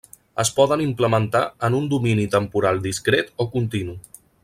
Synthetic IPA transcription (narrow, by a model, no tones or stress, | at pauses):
əspɔðənimpləmənt̪a̰ənund̪uminit̪əmpuɾalˠd̪iskɾet̪okunt̪inu